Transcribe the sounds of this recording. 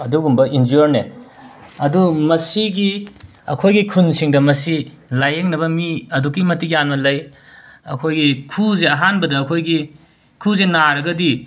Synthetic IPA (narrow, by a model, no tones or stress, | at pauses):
ɐduɡumbɐʔind͡ʒuoɾne | ɐdumɐsiɡi | ɐ̰kʰojɡikʰunsiŋdɐmɐsi | lajeŋnɐβɐmiɐduk̬ːimɐtikjanmɐlɐj | ɐ̰kʰojɡikʰuzeɐɦanbɐdɐːkʰojɡi | kʰuzenaɾɐɡɐdi